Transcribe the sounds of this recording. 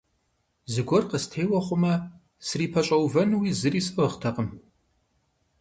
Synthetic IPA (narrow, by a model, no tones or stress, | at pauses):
zɨɡʷɔrqəstʰeːwɐχʷʊmɐ | sɨriːpʰɐt͡ʃʼɐwvɐnwiːzɨriːsɨʁχtʰɐqʼəm